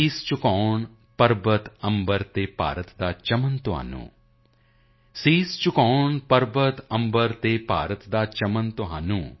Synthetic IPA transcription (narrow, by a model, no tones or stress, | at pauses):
iːst͡ʃukɔːɳ | pɐɾbət̪ɐmbəɾt̪eːpa̰ːɾət̪d̪aːt͡ʃɐmɐnt̪uɦa̰ːnṵ̃ː | siːst͡ʃukɔːɳpɐɾbət̪ɐ̃mbəɾt̪eːpa̰ːɾət̪d̪aːt͡ʃɐmɐnt̪uɦaːnũː